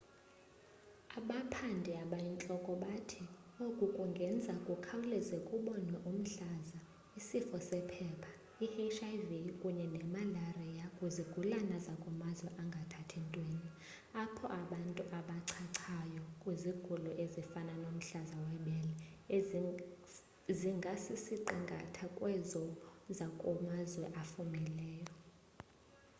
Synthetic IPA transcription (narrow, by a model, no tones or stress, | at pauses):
aɓapʰandʱɛaɓajint͡ɬʼɔkʼɔɓatʰi | okʼukʼuŋɡʱɛnd͡zʱakʼukʰawulɛzekʼuɓɔnwɛʔum̩ɬaza | isifɔsɛpʰɛːpʰḁ | ihet͡ʃʰʼajvikʼuɲɛnɛmalarijakʼuziɡ̥ʱulanazakʼɔmazwɛʔaŋɡʱatʰatʰɛntʼweːni | apʰɔʔaɓantʼuʔaɓaǀʰaǀʰajɔkʼwiziɡ̥ʱulɔʔezifananom̩ɬazawɛɓɛlɛe | ziŋɡʱasisiǃiŋɡʱa̰tʰakʼwɛzɔzakʼɔmazwɛʔafumɛlɛːjɔ